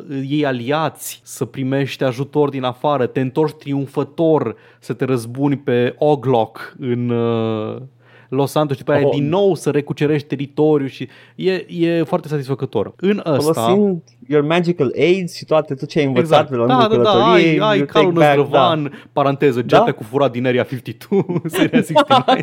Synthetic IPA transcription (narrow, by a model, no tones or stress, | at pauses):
je̞jaliat̪sʲsəpɾime̞ʃt̪ʲaʒut̪o̞rd̪inafaɾət̪e̞ɨnt̪o̞rʃʲt̪ɾiunfət̪o̞r | sət̪e̞ɾəzbunʲpe̞oɡlokɨn | lo̞sand̪oʃit̪upəjjad̪inːo̞wsəɾe̞kut͡ʃe̞ɾeʃt̪̚ʲt̪e̞ɾit̪o̞ɾijuʃi | je̞jefoart̪es̬at̪isfəkət̪o̞̰rɨnəosloaind̪ | jormæd͡ʒikalejd̪z̥ʃit̪oat̪et̪ot͡ʃejajɨnvətɡzatt̪̚d̪elad̪ad̪ald̪aoɾijeajkʰalunəɾəvanpaɾant̪e̞zəd͡ʒaakufuɾat̪̚d̪ineɾiafift̪it̪ʰusəɾeasit̪i